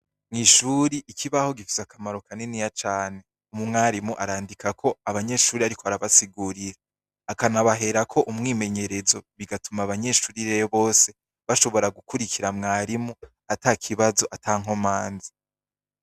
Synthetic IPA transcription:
ŋ̥iʃuːɾiʔikʰiβaho̞ɡifizakamaɾo̞kanenijat͡ʃaːne̞ | umumŋaːɾimuʔaɾaːndikakʰo̞aβaɲe̞ːʃuːɾiaɾikʰoaɾaβasiɡuːɾiɾe | akanaβaɦe̞ɾakʰo̞ʔumŋiːme̞ɲe̞ɾe̞zo̞βiɡatumaβaɲe̞ʃuːɾiɾejoβo̞ːse̞ | βaʃo̞βo̞ɾaɡukuɾikʰiɾamŋaːɾimu | ataːkʰiβazo̞ʔatʰaːŋɦo̞maːnzi

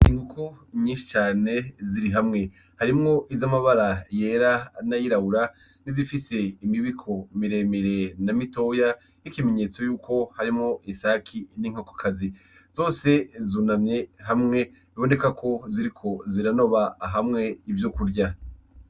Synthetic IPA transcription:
iŋɡukuɲĩːnʃi̥t͡ʃaːne̞ziɾiɦamŋe̞ | haɾimŋo̞ʔizamaβaɾaje̞ːɾanajiɾauɾa | nizifise̞imiβikʰo̞miɾe̞ːmeɾe̞namito̞ja | nikime̞ɲe̞t͡so̞juːkʰo̞haɾimŋo̞isakʰiniŋ̥okḁkʰazi | zo̞ːse̞zuːnamɲe̞ɦamŋe̞ | iβo̞ne̞kakʰo̞ziɾikʰo̞ziɾano̞βaɦamŋe̞ivjokuɾɟa

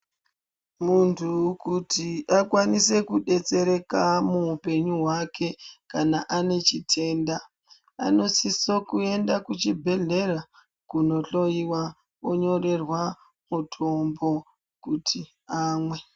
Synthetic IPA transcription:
muntʰukutiʔakwanise̞kuɗe̞t͡se̞ɾe̞kamuupe̞ɲuɦwakʰe̞kanaʔane̞t͡ʃitʰe̞ːnda | a̰no̞sisokue̞ndakut͡ʃibʱe̞ɮe̞ra | kuno̞ɬo̞iwa | oɲo̞re̞rwa | mutʰo̞mbo̞ | kutʰi | aːmwe̞

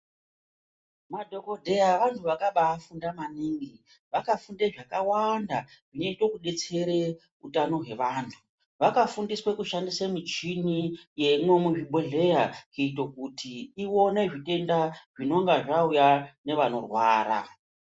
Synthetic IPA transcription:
madʱo̞ko̞dʱe̞jaʋantʰuʋakaɓaːfundamaniːŋɡi | ʋakafundeʐakawandaʐineito̞kuɗe̞t͡se̞ɾe | utano̞ɦe̞ʋaːntʰu | ʋakafundiswekuʃandisamit͡ʃinije̞imwe̞muʐiɓʱoɮe̞jakuitokutiːwo̞ne̞ʐite̞ndaʐ̥ino̞ŋɡaʐaujane̞ʋano̰rwaːɾa̰

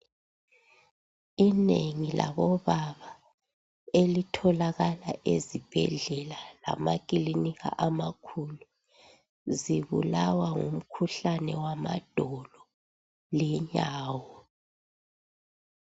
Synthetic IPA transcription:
ineŋilʔa̰βɔβaβa | elitʰɔlaɣalaʔezib̥ʱɛ̰ɮɛlala̰makʼiliniɣa̰ʔamakʰulu | ziβṵlawaŋṵm̩kʰuɬanɛwama̰d̥ʱɔlɔ | lɛɲaːwɔ

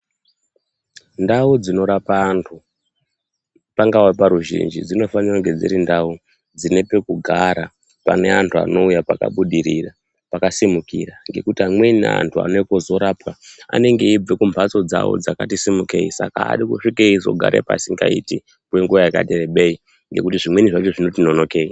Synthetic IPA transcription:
ndaud͡zino̞ɾapaːntʰu | paŋɡawapaɾuʒḭnd͡ʒid͡zino̞faniraŋɡe̞d͡zḭɾindau | d͡zine̞pe̞kuɡʱaɾa | pa̰ne̞antʰua̰no̞ujapaka̰ɓuɗiɾira | pakasimukiraŋɡe̞kutiamwena̰ntʰua̰nekozo̞ɾaːpkaa̰ne̞ŋɡe̞ib͡vekumpʰat͡so̞d͡zawo̰d͡zakatisimuke̞̰isa̰ka̰ːɗikuʂikeizo̞̰ɡʱa̰ɾʔḛpa̰siŋɡa̰ḭti | kwe̞ŋɡuʋajaka̰tereɓei | ŋɡe̞kutiʐimweniʐat͡ʃo̞ʐino̞tino̞no̞keːi

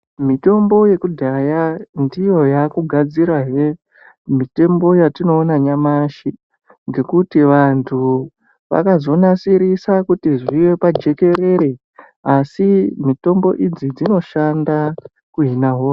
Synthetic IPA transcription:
mito̞mbo̞je̞kudʱajandijo̞jakuɡʱad͡ziɾaɦe | mite̞mbo̞jatino̞ːnaɲamaʃi | ŋɡe̞kutiʋantʰu | ʋa̰kazo̞nasiɾisakutiʐiʋe̞pad͡ʒe̞ke̞ɾe̞ɾe̞ | asimito̞mbo̞̰ʔid͡zid͡zino̞ʃanda | kuɦinaɦoːra

